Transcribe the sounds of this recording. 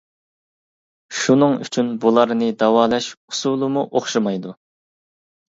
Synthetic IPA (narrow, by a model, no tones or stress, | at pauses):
ʃunɨŋy̰t͡ʃʰynbulˠɑɾnɨd̪ɑwɑːlˠɛʃu̥sulˠɨmuʔoχʃɑmɑjd̪u